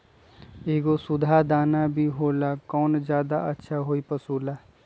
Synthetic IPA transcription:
eːɡosʊd̪ʱad̪aːnabʱiɦoːlakɔːnzjaːd̪aətːʃʰaɦoːipɐsuːlaː

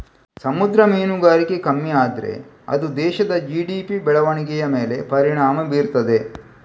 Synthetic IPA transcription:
sɐmud̪ɾɐmeːnuɡaːɾikekɐmːiaːd̪ɾḛ | ɐ̰d̪ud̪ɛːʃɐd̪ɐd͡ʒiːɖiːpibɛɭɐʋɐɳiɡɛjɐmeːle̞pɐɾiɳaːmɐbiːɾt̪ɐd̪e̞

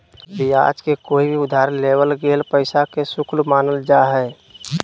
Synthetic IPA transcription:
bʱia̰ːd͡ʒkekoːibʱiʊd̪ʱaːɾleːbəlɡeːlpəɪsakesʊkʰlmaːnəld͡ʒaɦɛ

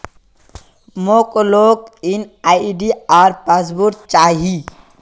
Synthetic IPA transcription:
moːkloːkinaːɖiaːɾpazbuɾt͡ʃaːɦi

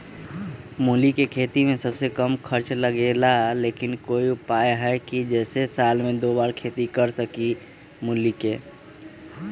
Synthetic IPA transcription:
mulikekʰet̪imẽsəbsekəmkʰəɾt͡ʃləɡelaleːkɪnkoːiʊpaːeɦɛkid͡ʒɛːsesaːlmẽd̪oːbaːɾkʰet̪ikəɾsəki | mulike

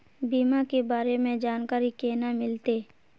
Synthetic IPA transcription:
biːmakebaːɾemẽd͡ʒaːnkaːɾikeːnamɪlt̪eː

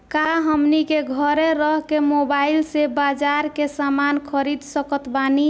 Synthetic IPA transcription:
kaɦəmnikeɡʱəɾeɾəɦkemobailsebad͡ʒaɾkesamankʰəɾid̪səkət̪bani

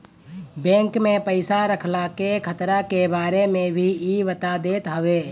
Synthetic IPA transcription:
bɛ̃ːŋkmẽpəɪsaɾəkʰlakekʰət̪ɾakebaːɾemẽbʱiiʋət̪ad̪eːt̪ɦəʋeː

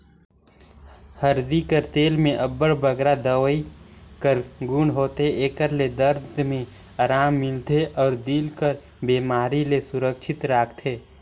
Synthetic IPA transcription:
həɾd̪ikəɾt̪eːlmẽʔɐbːəɽbəɡɾad̪əwəikəɾɡuːɳɦoːt̪eeːkəɾled̪əɾd̪ʱmẽ | aːɾaːmːɪlt̪eʔɔːɾd̪iːlkəɾ | beːmaːɾilesʊɾəkʃʰɪt̪ɾaːkʰt̪ʰeː

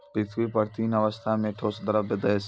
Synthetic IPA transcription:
pɾɪt̪ʰʋipəɾt̪ʰiːnɐʋəst̪ʰameːʈʰoːsd̪əɾəbɪd̪əes

